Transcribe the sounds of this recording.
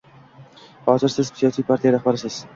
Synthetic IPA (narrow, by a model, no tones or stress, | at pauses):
hɒːzɪɾsɪzpsijɑːsiːpʰaɾt̪ʰijaɾahbaɾsɪz̥